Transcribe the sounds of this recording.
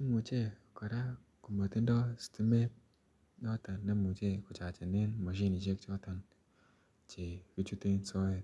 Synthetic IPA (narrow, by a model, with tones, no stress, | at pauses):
ne˦mu˨t͡ʃe˦˨kɔ˨ɾa˦ | ku˨mo˨ti˦ndɔ˦si̥˨ti˦me˦t̚ | nɔ˦tɔ˨nːe˦mu˨t͡ʃe˦˨kʊ˨t͡ʃa˨t͡ʃe˨ne˦nmɔ˨ʃ̬i˦ni˨t͡ʃe˦kt͡ʃɔ˦tɔ˨n | t͡ʃe˨ki˦t͡ʃu˦te˦nsɔ˦e˨